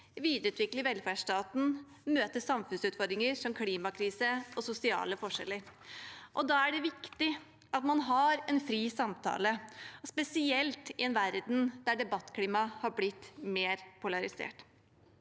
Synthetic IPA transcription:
ʋiːd̪ɾəʉːt̪ʋɪkləʋɛlːfæʂʈɑːt̪n̩ | møːt̪əsɑmfʉnsʉːt̪fɔɾd̪ɾɪŋəɾʂɔmkʰliːmɑkʰɾiːsəɔsʊsɪɑ̰ːləfɔʂɛ̰lːəɾʔɔd̪ɑæɖɛʋɪkt̪ɪ | ʔɑt̪mɑnɦɑɾɛnfɾiːsɑmt̪ʰɑ̰ːləspɛsɪɛlt̪ɪɛnʋæɾd̪nd̪̥æɖɛbɑt̪ːkʰliːmɑhɑɾblɪt̪ːmeːɾpʰʊlɑɾɪsḛːʈ

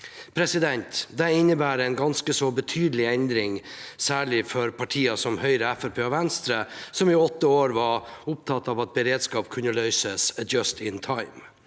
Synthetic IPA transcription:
pʰɾɛsɪd̪ɛnt̪d̪ɛɪnːəbæːɾəɛnɡɑnskəsɔbət̪ʰyːd̪əlɪɛnd̪ɾɪŋsæːɭɪfɔɾpʰɑʈʰiːɑsɔmhœʏɾəæfɛpʰeːɑʋɛnst̪ɾəsɔmɪɔt̪ːəoːɾʋɑʊp̚t̪ʰɑt̪ːɑːʋɑt̪̚bəɾeːd̪skɑːpkʰʉnːəlœʏsəsət̪̚d͡ʒɑst̪ɪnt̪ʰɑɪm

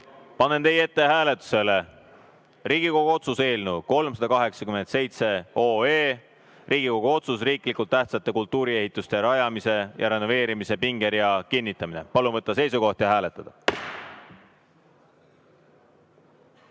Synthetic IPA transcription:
pɑnːe̞nt̪e̞je̞t̪ːe̞ɦæːle̞t̪ːˑu̥se̞le̞ | riːɡ̥iko̞ɡ̥uo̞t̪suse̞ːlnuko̞lmsɑd̪̥ɑkɑɦe̞ksɑkyme̞nt̪se̞jt̪se̞o̞ːeː | rʔiːɡ̥iko̞ɡ̥uo̞t̪sus̬riːkˑlikult̪ːæht̪sɑt̪ːˑe̞kult̪ːˑuːɾie̞ɦit̪ˑːust̪e̞ɾɑjɑmise̞jʔɑɾe̞nːo̞ve̞ːɾimise̞piŋɡ̥e̞ɾjɑkinʲːit̪ˑːɑmine̞̰pɑlunvɤt̪ˑːɑse̞jsuko̞ht̪jɑɦæːle̞t̪ːˑɑd̪̥ɑ

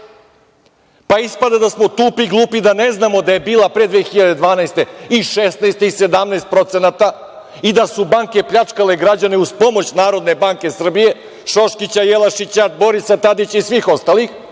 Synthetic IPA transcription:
paispad̪ad̪asmot̪uːpiɡlˠuːpid̪aneznamo̞d̪aje̞biːlˠapɾed̪ʋexiʎad̪e̞d̪ʋaːnaest̪e̞iʃesnaest̪ise̞d̪amnaest̪̚pɾo̞t̪senat̪a | id̪asubaŋke̞pʎat͡ʂkale̞ɡɾad͡ʑaneuzpo̞mo̞t͡ɕnaːɾod̪ne̞baŋke̞sr̩bije̞ | ʃo̞ʃkit͡ɕajelˠaʃit͡ɕad̪bo̞ɾisat̪ad̪it͡ɕaisʋixo̞st̪alix

